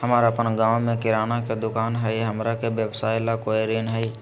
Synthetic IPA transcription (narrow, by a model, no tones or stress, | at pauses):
həmaːɾapənɡãːwmẽkɪɾaːnaked̪ʊkaːnɦɛjɦəmɾakebjewsaːɪlakoːjɾeːnɦɛi